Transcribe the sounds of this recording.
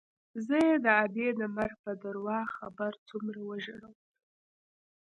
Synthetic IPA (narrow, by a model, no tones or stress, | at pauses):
zəjed̪əabed̪əmaɾhpəd̪aɾwɑxabaɾt͡sumɾawəʒəɽəw